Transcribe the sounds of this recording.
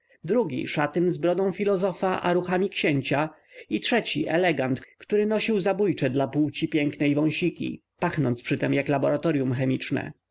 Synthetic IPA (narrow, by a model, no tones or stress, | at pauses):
d̪ɾuɡʲḭʂat̪ɘnzbɾɔd̪ɔ̃w̃fʲilɔzɔfaʔa̰ɾuxamʲikɕɛɲt͡ɕa | itʂɛt͡ɕiʔɛ̰lɛɡant̪kt̪uɾɘnɔɕiwzabujt͡ʂɛd̪lapuwt͡ɕipʲjɛŋknɛjvɔ̃w̃ɕikʲḭ | paxnɔntspʂɘt̪ɛmjaklabɔɾat̪ɔɾjumxɛmʲit͡ʂnɛ̰